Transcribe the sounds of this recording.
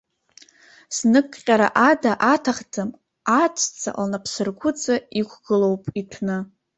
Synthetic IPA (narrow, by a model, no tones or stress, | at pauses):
snɨkʼqʲʼaɾa̰ʔadaʔatʰaχd͡zɨm | at͡ʃʷʰʼt͡sʰa̰ʔlnapʰsɨrɡʷʰʊt͡sʼaikʷʰɡɨlo̞wpʼitʰnɨ